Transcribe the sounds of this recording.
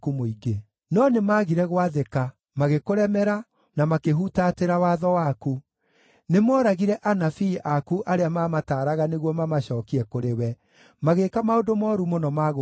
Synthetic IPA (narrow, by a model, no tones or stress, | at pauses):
kumoiɡe | nɔnemaːɣiɾɛɣwaðeka | maɣekoɾɛmɛɾa | namakeɦutateɾawaːðɔwaku | nemɔːɾaɣiɾɛʔanafiʔakuʔaɾeamaːmataːɾaɣaneɣwɔmamaɕɔːkiɛkoɾewɛ | maɣeːkamaodomɔɾumonɔmaɣo